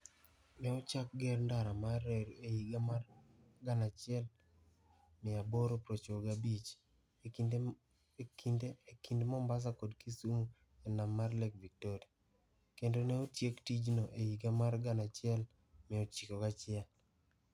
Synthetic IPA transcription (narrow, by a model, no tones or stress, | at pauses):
nɛot͡ʃak̚ɡɛɾndaɾamareɾeiɡamar | ɡanat͡ʃɪɛl | mɪaboɾopɾot͡ʃoɡabit͡ʃ | kindeːkindmɔmbas̬akodkisumu | enamːarlɛk̚vik̚toɾia | kendonɛotjektid͡ʒnoʔejiɡamarɡanat͡ʃɪɛl | mɪot͡ʃikɔkat͡ʃɪɛl